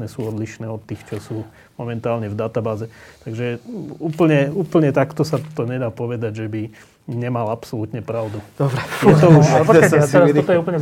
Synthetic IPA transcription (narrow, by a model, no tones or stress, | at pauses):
nɛːsuːɔd̪liʃnɛːɔt̪ːiːxt͡ʃɔsuː | mɔmɛnt̪aːlɲɛvd̪at̪abaːzɛt̪aɡʒɛuːpl̩ɲɛuːpl̩ɲɛt̪akt̪ɔsat̪ɔɲɛd̪aːpɔʋɛd̪aɟʒɛbi | ɲɛmalapsɔlut̪ɲɛpɾaʊd̪ud̪ɔbɾɛjɛt̪ɔupɛtɔt̪ɔjɛupl̩ɲɛ